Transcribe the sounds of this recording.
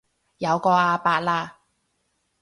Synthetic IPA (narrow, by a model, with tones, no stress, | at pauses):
jɐ˨˧wkɔː˧aː˧paː˧t̚laː˧